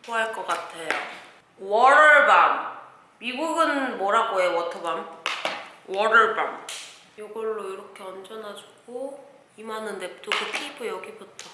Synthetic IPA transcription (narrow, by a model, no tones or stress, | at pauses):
toaɭk͈ʌk͈atʰe̞jo | wʌɾɯɭbam | mibuɡɯnmʌɾaɡoewʌtʰɯbam | wʌɾɯɭba̰m | joɡʌɭːoiɾʌkʰe̞ʌnd͡ʑʌnɦad͡ʑu̥ɡ̥o | imanɯnːe̞p̚tʰoɡɯpʰibɯjʌɡibutʰʌ